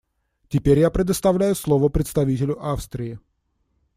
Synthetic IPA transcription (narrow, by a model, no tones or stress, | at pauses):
tʲɪpʲeɾʲjapɾʲɪd̪əst̪ɐvlʲæjʊslˠovəpɾʲɪt̪st̪ɐvʲitʲɪlʲʊʔafst̪ɾʲɪɪ